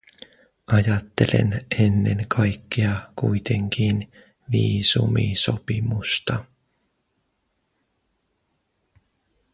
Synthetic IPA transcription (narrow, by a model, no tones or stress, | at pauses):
ʔɑjɑt̪ːe̞le̞̰nenːe̞ŋkʰɑjkːeɑkujt̪e̞ŋk̟ʰiːn | ʋiːsumḭso̞pimust̪ɑ